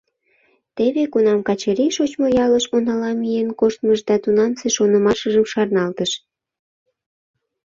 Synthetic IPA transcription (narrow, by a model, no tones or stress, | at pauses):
t̪eβekunɑmkɑt͡ɕəɾiʃot͡ɕmojɑləʃonɑlɑmijenkoʃt̪məʒd̪ɑt̪unɑnseʃonəmɑʃəʒəmʃɑrnɑlt̪əʃ